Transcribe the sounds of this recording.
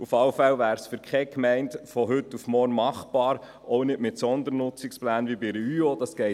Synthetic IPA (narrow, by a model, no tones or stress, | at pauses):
ufɑlfælvæːɾsfyɾkʰχɛkmɛɪntfɔɦʏtːufmɔrnmɑχb̥ɑːɾ | ɔʊnɪdmɪtsɔnd̪əɾnʊt͡sɪksplæːnʋibiɾəyod̥ɑsɡ̥ɛɪ